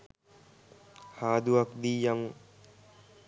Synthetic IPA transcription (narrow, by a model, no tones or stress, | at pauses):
haːd̪uakd̪ijaŋ